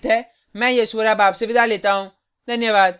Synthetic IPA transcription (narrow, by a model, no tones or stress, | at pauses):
t̪ʰɛ | mɛ̃ːjiːsuəɾabaːpseʋɪd̪ʱaleːt̪aːɦũ | d̪ʱɐnjəʋaːd̪̚